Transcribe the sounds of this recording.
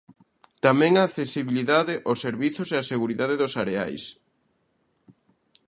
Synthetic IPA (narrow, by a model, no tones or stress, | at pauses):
t̪amɛ̃ŋaːθesiβiliðaðɪʔoseɾβiθʊseaseɣuɾiðaðeðʊsaɾea̰js